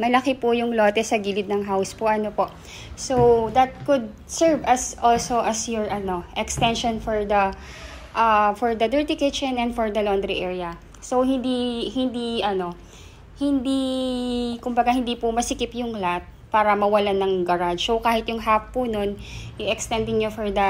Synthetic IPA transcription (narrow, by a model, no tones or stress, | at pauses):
mɐlɐkɪpʊjʊŋloːt̪ɛsɐɡiːlɪd̪̚nɐŋɦawspʊʔɐnopoʔ | sowd̪ɐt̪̚kʊd̪̚ | sɛɹvɐsʔolsoʔɐsjɔɹʔɐno̞ʔɛkst̪ɛnʃonfɔɹd̪ɐ | ʔɐfɔɹd̪ɐd̪ɛɹt̪ɪkɪt͡ʃɛnɛnd̪fɔɹd̪ɐlond̪ɾiʔɛɹiɐ | sowhɪnd̪ihɪnd̪iʔɐno̞ | hɪnd̪i | kʊmbɐɡahɪnd̪iːpʊmɐsɪkɪpjʊŋlat̪̚ | paːɾɐmɐwɐlanɐŋɡɐɾad͡ʒokaːhɪt̪jʊŋɦafːʊno̞njʊŋʔɛkst̪ɛnd̪ɪŋɲofɔɹd̪ɐ